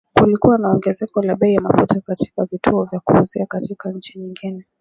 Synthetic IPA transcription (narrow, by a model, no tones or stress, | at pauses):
kulikuwanaɔŋɡɛzɛkɔlaɓɛijamafutakati̥kavitʰuɔvjakuhuziakatikaɲ̩t͡ʃiɲiŋɡinɛ